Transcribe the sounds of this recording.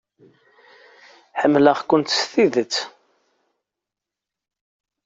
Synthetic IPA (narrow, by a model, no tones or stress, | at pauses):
ħəmːləʁkʷʊnt̪sθiðət͡sː